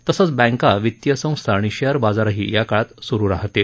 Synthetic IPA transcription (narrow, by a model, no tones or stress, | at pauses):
t̪əsət͡sbɛ̃ŋkaʋit̪jəsə̃w̃st̪ʰaɳ̃iɕəɾbad͡zaɾaɦḭːjakaɭat̪suɾuːɾaɦt̪e